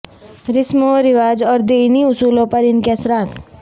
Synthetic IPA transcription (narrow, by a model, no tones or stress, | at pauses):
ɾɪsmoɾɪʋaːd͡ʒɔːɾd̪eːniʊsuːlõpɐɾɪnkɛsɾaːt̪